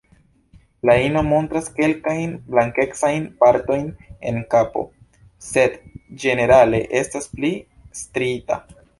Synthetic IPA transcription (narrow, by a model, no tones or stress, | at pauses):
laino̞mo̞ntɾaske̞lkajnblaŋke̞ksajnpaɾto̞jne̞̰nkapo̞̰ | se̞dd͡ʒe̞ne̞ɾale̞ʔe̞staspli | stɾita̰